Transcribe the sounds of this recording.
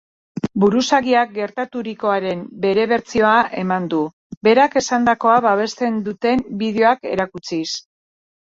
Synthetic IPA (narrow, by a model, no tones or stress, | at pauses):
buɾusaɣiak̚ɡe̞ɾt̪at̪uɾiko̞aɾe̞mbe̞ɾe̞βe̞ɾt͡sio̞aʔe̞mand̪u | be̞ɾake̞sand̪ako̞aβaβ̞e̞st̪e̞nd̪ut̪e̞mbið̞eo̞ake̞ɾakut͡sis